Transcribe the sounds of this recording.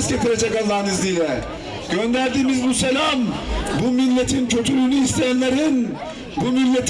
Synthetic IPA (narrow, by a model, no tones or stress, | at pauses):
sɟet̪ʰiɾed͡ʒɛkalˠːaɾnɯzd̪ilɛ | ɟø̞nd̪æɾd̪iːmizbuselʲambumilʲːet̪ʰincʰø̞t̪ʰylynyist̪ʰejænlʲeɾin | bumilʲːet̪ʰ